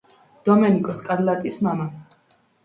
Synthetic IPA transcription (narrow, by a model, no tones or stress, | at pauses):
d̪̥ɔmɛnikʼɔskʼaɾlat̪ʼismama